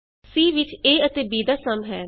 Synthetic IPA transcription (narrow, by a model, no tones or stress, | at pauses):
siːʋɪt͡ʃeːət̪eːbiːd̪aːsəmɦɛː